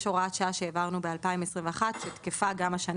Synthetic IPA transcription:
ʃoʁat̪ʃaaʃeːvaʁnubealpaimesʁĩmveaχat̪ʃet̪kefaɡamaʃan

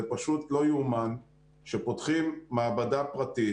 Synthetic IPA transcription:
epaʃut̪lo̞juman | ʃepotχimːaːbadapʁati

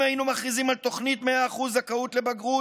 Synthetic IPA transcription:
ajinumaχʁizimalt̪o̞χnit̪meaːχuzakaut̪le̞baɡʁu

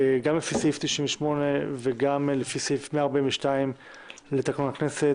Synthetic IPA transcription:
ɡamlefisift̪iʃiɱveʃmo̞neveɡamlefisiifmeaːʁbĩveʃtaim | let̪aknunakne̞se

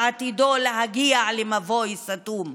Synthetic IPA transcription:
at̪id̪oleɦaɡialemavojsat̪um

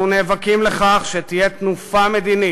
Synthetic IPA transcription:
uneːvakimleχaχʃet̪ijet̪nufame̞d̪ini

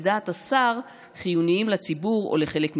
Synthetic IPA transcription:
d̪aːt̪asaʁ | χijuniimlat͡sibuʁo̰leχe̞lekm

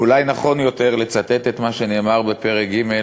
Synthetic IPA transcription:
ulajnaχo̞njo̞t̪e̞ʁle̞t͡sat̪e̞t̪et̪maʃeneːmaʁbe̞pe̞ʁek̚ɡime̞

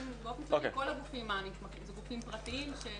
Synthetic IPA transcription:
nɡofemklaokḛkolaɡufimaniʃmaχimzeɡufimpʁat̪iimʃe

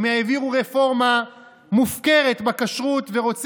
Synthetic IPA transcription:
meaeviʁuʁefo̞ʁma | mufke̞ʁet̪bakaʃʁut̪ve̞ʁo̞t͡s

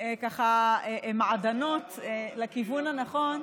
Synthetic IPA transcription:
ekaχaemaʕadano̞tlakivunhanaχo̞n

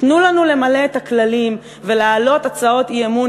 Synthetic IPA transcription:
tnulanule̞male̞et̪aklalim | ve̞lealo̞t̪at͡sao̞t̪iemu

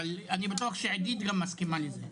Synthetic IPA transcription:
alanibat̪uaχʃeʕed̪id̪ɡamːaskimaleze

